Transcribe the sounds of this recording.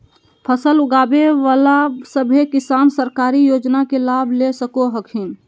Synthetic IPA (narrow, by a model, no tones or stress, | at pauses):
pʰəsəlʊɡaːbeʋaːlasəbʱekɪsaːnsəɾkaːɾijoːd͡ʒnakelabʱlesəkoɦəkʰɪn